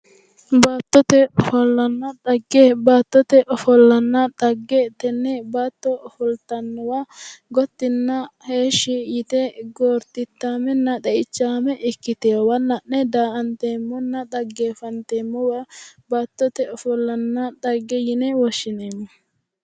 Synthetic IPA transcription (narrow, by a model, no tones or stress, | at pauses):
baːt̪ːɔt̪ɛʔɔfɔlːɐnːɐd̪ɐɡːebaːt̪ːɔt̪ɛʔɔfɔlːɐnːɐᶑ̪ɐɡːɛt̪ɛnːɛbaːt̪ːɔɔfɔlt̪ɐnːɔwaɡɔt̪ːɪnːɐheːʃːɪjɪt̪ɛɡoːɾt̪ɪt̪ːaːmɛnːɐd̪ɛʔɪt͡ʃːaːmɛʔɪkːɪt̪ewɐnːɐnːɛd̪aːʔɐnt̪eːmːɔnːɐd̪ɐɡːeːfɐnt̪eːmːɔwɐbaːt̪ːɔt̪ɛɔfɔlːɐnːɐd̪ɐɡːɛjɪnɛwɔʃːɪneːmːɔ